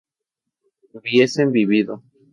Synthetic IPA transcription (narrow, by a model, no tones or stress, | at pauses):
bjesembiβiðo